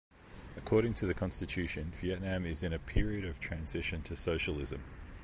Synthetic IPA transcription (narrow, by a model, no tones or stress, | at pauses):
əkʰɔːɾɪ̃ŋtʰəðɨkʰɒ̃nstɨt͡ʃʰʉˑʃɨ̃nviɛʔⁿnæ̃mɪzɪ̃ñɨpʰɪɹiɨɾəv̥tʰɹ̥æ̃nzɪʃɨ̃ntʰəsəʊʃəlˠɪzə̃m